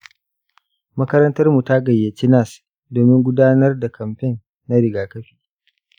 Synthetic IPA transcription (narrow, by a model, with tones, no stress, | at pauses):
mɐ˦kɐ˦ɾɐ˦ntɐ˦rmu˨ta˦ɡɐ˨jːeː˨tɪ˦na˦˨s | doː˨mɪ˦ŋɡʷʊ˦daː˦nɐ˦rda˨kʰɐ˨mɸɛ˦˨nː | a˦ɾɪ˨ɡaː˨kɐ˦ɸi̥ː˦